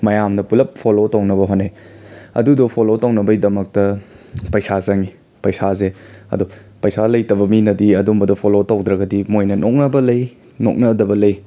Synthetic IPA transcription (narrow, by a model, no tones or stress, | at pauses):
mɐjamdɐpulɐp̚pʰolotownɐbɐɦonːej | ɐ̰dudopʰolotɐwnɐbɐjdɐmɐk̚tɐ | pɐjsazɐŋi | pɐjsazeɐ̰du | pɐjsalɐjtɐbɐminɐdiɐdumbɐdopʰolotɐwdɾɐɡɐdimojnɐnok̚nɐbɐlɐj | no̰k̚nɐdɐbɐlɐj